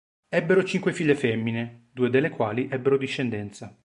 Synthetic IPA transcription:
ɛbːeɾot͡ʃiŋkwefiʎːefɛmːined̪uːed̪elːekwaːliʔɛbːeɾod̪iʃːend̪ɛnt̪sa

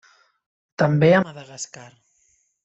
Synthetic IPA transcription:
t̪ambeamaðaɣaskaɾ

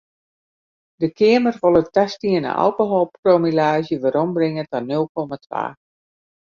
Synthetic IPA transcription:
dəkʰɪəmərʋɔlˠətastiənə̰ʔa̰lˠkoɦɔlˠpkromilaːzjəʋaɾɔmbrɪŋətanølˠkɔmatʰʋa̰ː

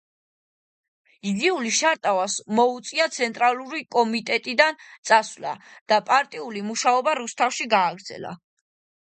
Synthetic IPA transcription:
iɡiuliʃaɾt̪ʼavasmɔut̪sʼiat̪sʰɛnt̪ʼɾaluɾikʼɔmit̪ʼɛt̪ʼid̪ant̪sʼasvla̰d̪̥apʼaɾt̪ʼiulimuʃaɔbaɾust̪ʰafʃiɡaːɡɾd̪zɛ̰la̰

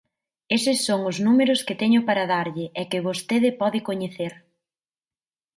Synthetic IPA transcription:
esɪsːoŋʊznumeɾʊskɪt̪ɛɲʊpaɾɐðaɾʎɪʔɛkɪβost̪eðɪpɔðɪkoɲeθeɾ

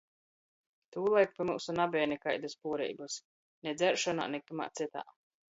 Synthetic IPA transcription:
t̪uːlˠajk̚pʲimuːsunabʲɛːjnɛkajd̪ɨspuːɾɛ̰jbus | nʲɛd̪zɛɾʃɔna̰ːnɛkuma̰ːt̪sit̪a̰ː

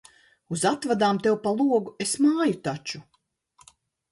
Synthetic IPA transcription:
uzat̪vad̪aːmt̪ewpalˠuɔɡuesmaːjut̪at͡ʃu

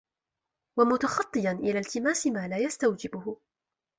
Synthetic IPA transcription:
wamʊt̪ɑxɑt̪ˤːɨjanʔɪlaːlt̪ɪmaːsɪmaːlaːjast̪awd͡ʒɪbʊhʊ

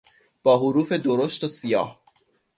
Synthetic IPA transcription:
b̥ɒːɦoɾuːfe̞d̪oɾost̪osijɒ̰ːh

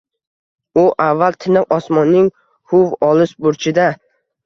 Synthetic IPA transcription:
ʊʔavːalt̪ʰɪnɪqɒsmɒnːɪŋ | hʊvɒlɪʃbʊɾt͡ʃʰɪd̪a

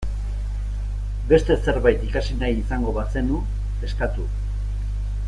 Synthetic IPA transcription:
be̞st̪e̞se̞ɾβajt̪ikasinajisaŋɡo̞βase̞nu | e̞skat̪u

